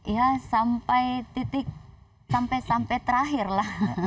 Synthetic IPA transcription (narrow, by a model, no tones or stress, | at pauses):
jasampajt̪it̪ɪk̚ | sampɛjsampɛt̪əɾaɦɪrlah